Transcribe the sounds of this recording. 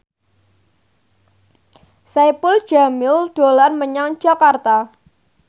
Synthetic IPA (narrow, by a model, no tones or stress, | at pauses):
sajpʊl̥d͡ʒamɪlɖ̥olanməɲaŋ̥d͡ʒ̥a̤kart̪a